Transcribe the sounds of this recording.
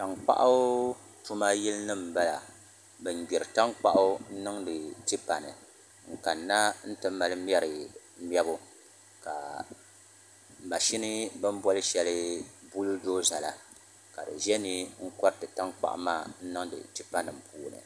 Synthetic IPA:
ta˨ŋk͡pa̰˦ʔa˦ | tu˦ma˦ji˦lnɨ˦m̩˨ba˦la˨ | bɨ˨n˨ɡ͡bɛ˨ɾɨ˨ta˦ŋk͡pa˦ʔʊ˦n̩˦nɨ˦ŋdɨ˨ti˦pa˨nɨ̰˨ | ŋ̩˨ka˨nːa˦n̩˦tɨ˦ma˨lɨ˦mjɛ˦ɾɨ˨˦ | m˦ɛ˦bʊ˦ | ka˨ | ma˨ʃi˦nɨ˦bɨ˦m˦bɔ˦lɨ˦ʃɛ˨lɨ˦bu˦ldoː˦za˨la˨ | ka˨dɨ̰˨ʒɛ˦ni˦ŋ̩˦kɔ˦ɾtɨ˨ta˦ŋk͡pa̰˦ʔmaː˦n̩˦nɨ˦ŋdɨ̰˨ti˦pa˦nɨ˨m̩˨pʰuː˦nɨ̰˨

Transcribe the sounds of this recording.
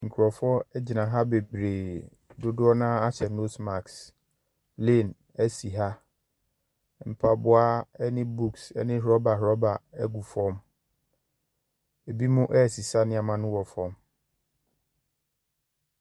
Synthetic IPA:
ŋ̩˨kʰɾɔ˨fɔ˦ɛ˦d͡ʑi˨nã˨ɦa˦be˨bɾeː˨ | dʊ˦dʊ˦ɔ˦nãː˦a˦t͡ɕʰɛ˨no˦sma˨ks | le˦˨n | æ˦si˨ɦa˦ | m̩˨pʰa˨bʊ˦a˦ɛ˦nɪ̃˦bu˦ksɛ̰˦nɪ̃˦ɦɾɔ˦ba˨ɦɾɔ˦ba˨ɛ˦ɡu˨fɔ̃˦m | e˨bi˦mũ˦ʔɛ˦˨si˨sa˦nɪ̃˦a˨mã˦nʊ̃˦wɔ˨fɔ̃˦m

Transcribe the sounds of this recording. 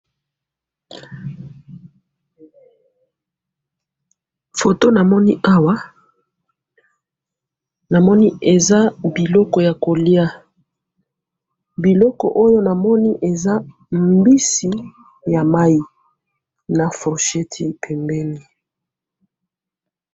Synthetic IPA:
fo˨to˦na˨mɔ˦ni˦ʔa˦wa˦ | na˨mɔ˦ni˦e˨za˦bi˨lɔ˦kɔ˨ja˨ko˨li˦a˦ | bi˨lɔ˦kɔ̰˨ʔo˦jo˦na˨mɔ˦ni˦ʔe˨za˦ | mbi˦si˨ | ja˨ma˦ji˦ | na˨fɔ˨ʃɛ˦tʰi˦pʰɛ˨mbɛ˦ni˨

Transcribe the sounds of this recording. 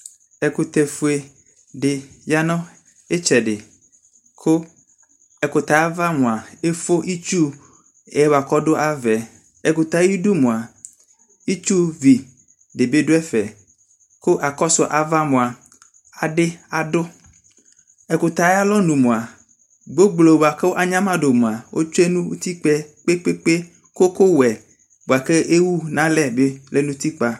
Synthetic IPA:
ɛ˨kʊ˨t̪ɛ˨fʊ˨e˨ | dɪ˨ja˦nɔ̃˦ | ɪ˦t͡ʃɛ˨dɪ˨ | kʰʊ˦ | ɛ˨kʊ˨t̪a˨˦va˦mʊ̃˨a˨e˦fʊ˦ʔi˦t͡ʃu˦ | ɛ˨˦wa˨kɔ˦dʊ˦ʔa˦vɛ˨ | ɛ˨kʊ˨t̪a˨˦i˦du˦mʊ̃˨a˨ | i˦t͡ʃu˦vi˨ | dɪ˨be˦dʊ˦ɛ˦fɛ˨ | ko˦ʔa˨kɔ˦sʊ˨ʔa˨va˦mõ˨a˨ | a˨ɖɪ˦a˨dʊ˦ | ɛ˨kʊ˨t̪a˨jɛ˦a˦lɔ˦nũ˨mõ˨a˨ | ɡ͡bo˦ɡ͡blo˨bo˨a˨ke˦wo˦ʔa˦˨ɲã˦mã˦ɖo˨mõ˨a˨wʔo̰˦t͡ʃe˦nũ˦t̪i˦k͡pɛ˦k͡pe˦k͡pe˦k͡pe˦ | ko˦ko˦wɛ˨ | bo˨a˨ke˦ʔe˦wu˦nã˦lɛ˦be˦le˦nũ˦t̪i˦k͡pa˨

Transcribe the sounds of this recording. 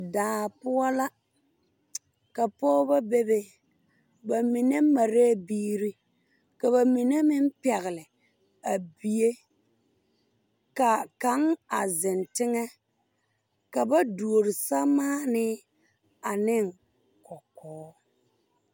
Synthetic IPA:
daː˨pʊ˦a˦la˦ | ka˨pɔː˦ba˦be˦be˦ | ba˨mi˨ne˦ma˨ɾe˦biː˦ɾi˦ | ka˨βa˨mi˨ne˦mɪ˦m˦pɛ˨ɣɪ˨lɪ˨ | a˨bi˨je˦ | ka˨ka˨˦ŋa˨zɪ˨ntɪ˦ŋɛ˦ | ka˨ba˦du˨o˨ɾɪ˨sa˦maː˦nɪ˦ | a˨nɪ˦˨ŋ | kɔ˨kɔː˨˦

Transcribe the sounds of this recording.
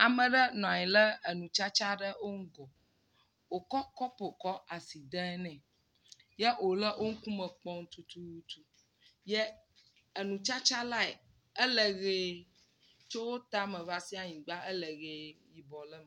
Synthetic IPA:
a˨mə̃˨ɖə˦nɔ̃˨a˨ɲĩ˨lə˦ə˨nũ˨t͡ʃa˦t͡ʃa˦ɖə˦wo˦ŋ̩˦ɡɔ˨ | wo˨kɔ˦kɔ˦po˨kɔ˦ʔa˨si˨d̪ɛ˦ɛ˦nɛ̃˨ | jɛ˦o˨lə˦ʔo˦ŋ̩˦ku˦mə̃˨k͡pɔ˦ŋ̩˦t̪u˨t̪u˨u˨t̪u˨ | jɛ˦ | ə˨nũ˨t͡ʃa˦t͡ʃa˦la˦ɛ˨ | ə˦lə˨ɣe˨ | t͡ʃo˦wo˦t̪a˦mə̃˨va˦si˦a˨ɲĩ˨ɡ͡ba˦ʔə˦lə˨ɣe˨ji˨bɔ˨lə˦m˨

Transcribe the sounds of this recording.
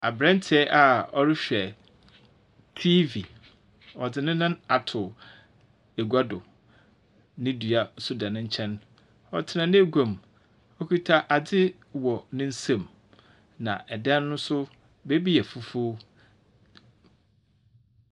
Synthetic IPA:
a˨bɾɛ̃˦n˦tʰɪ˨ɛ˦ʔa˨ɔ˦ɾɪ˦ɕᶣɛ˨ | tʰi˦vi˨ | ɔ˨d͡zɪ˨nɪ̃˦nʊ̃˦a˨tʰʊ˨ | e˨ɡu˨˦a˦dʊ˨ | nɪ̃˦du˨a˨sʊ˦dã˨nʊ̃˦ɲ̩˦t͡ɕʰɛ̃˦n | ɔ̰˨tʰɪ˨nã˨nɪ̃˦e˦ɡʷã˨m | ɔ˦kʰi˦tʰa˦ʔa˨d͡zɪ˦ | wɔ˨nɪ̃˦n̩˦sã˨m | nã̰˨ʔɛ˨dɛ̃˦nː˦ʊ̃˦sʊ˦ | be˦bi˦jɛ˨fu˦fu˦

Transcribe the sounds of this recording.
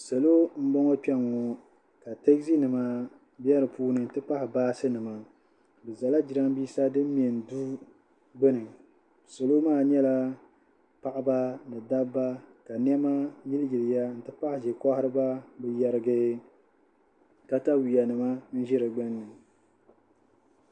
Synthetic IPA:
sa˨lo˦m̩˦bɔ˦ŋɔ˦k͡pɛ˦ŋɔ˨ | ka˨tɛ˦ksi˦nɨ˨ma˨ | bɛ˦ɾɨ˨puː˦nɨ˨n̩˨tɨ˦pa˦hɪ˨baː˦sɨ˦nɨ˨ma˨ | bɨ˨za˨la˦d͡ʒi˨ɾa˦m˦biː˦sa˦dɨ˦m̩˦m˦˨ɛ˨n˨du˦ | ɡ͡bɨ˦nɨ˨ŋ | sa˨lo˦maː˦˨ɲɛ˦la˦ | pa˨ʔɪ˦ba˦nɨ˨da˦bːa˦ka˨n˦ɛ˦ma˦ji˦lɪ˦ɡɪ˨lɪ˨ja˦n̩˨tɨ˦pa˦hɪ˨ʒɛ˨kɔ˦hɪ˦ɾɨ˦ba˦bɨ˨jɛ˨ɾɨ˦ɡɨ˦ | ka˦ta˦wi˨a˨nɨ˨ma˦n̩˦ʒɪ˦ɾɨ˨ɡ͡bɛ˦nːɨ˨ŋ

